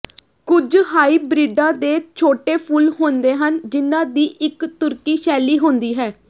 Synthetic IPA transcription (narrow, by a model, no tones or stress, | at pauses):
kʊd͡ʒɦaːiːbɾɪɖãːd̪eːt͡ʃʰoːʈeːpʰʊlɦoːnd̪eːɦənd͡ʒɪnːãːd̪iːʔɪkt̪ʊɾkiːʃɛːliːɦõːnd̪iːɦɛː